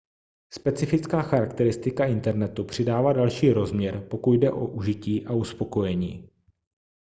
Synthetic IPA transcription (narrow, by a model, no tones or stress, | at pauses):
spɛt͡sɪfɪt͡skaːxaɾakt̪ɛɾɪst̪ɪkaɪnt̪ɛɾnɛt̪upr̝̥ɪdaːvaːdalʃiːɾo̞zmɲɛɾpo̞kudɛʔo̞̰ʔuʒɪciːʔauspo̞ko̞jɛɲiː